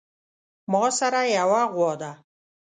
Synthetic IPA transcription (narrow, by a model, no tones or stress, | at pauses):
mɔsaɾajawaʁwɔd̪a